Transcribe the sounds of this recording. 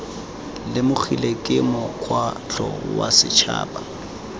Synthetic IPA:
lɪmʊχilekʼɪmɔkʰwat͡ɬɔ̰wasɪt͡ʃʰa̰ːpa

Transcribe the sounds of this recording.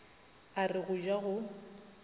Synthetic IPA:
arɪɣʊd͡ʒaɣʊ

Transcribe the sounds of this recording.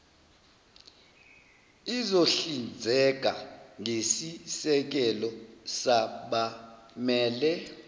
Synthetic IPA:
izoɬind͡zʱɛk̬ʼa̰ŋesisɛk̬ɛlɔsaɓamɛːlɛ

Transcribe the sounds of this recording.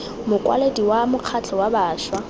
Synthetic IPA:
mʊkʼwa̰lediwamʊq͡χʰat͡ɬʰɔwabaːʃwa

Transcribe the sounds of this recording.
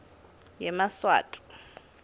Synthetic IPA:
jɛmaswa̰ːtʼʊ̥

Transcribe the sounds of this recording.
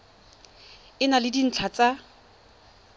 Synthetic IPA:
ɪnalɪdin̩t͡ɬʰat͡sʼa

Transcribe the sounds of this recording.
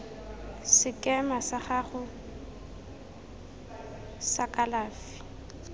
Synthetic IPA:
sɪkʼɛmasaχaχʊ | sakʼalaːfi̥

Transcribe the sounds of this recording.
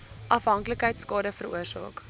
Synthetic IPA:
ʔɐfɦɐŋkləkɦəjtskɑːdəfəruərsɑ̰ːk

